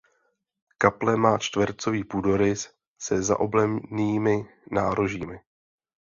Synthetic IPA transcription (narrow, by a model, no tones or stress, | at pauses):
kaplɛmaːt͡ʃt̪vɾt͡so̞viːpudo̞ɾɪ | sɛza̰ʔo̞blɛmniːmɪ | naːɾoʒiːmɪ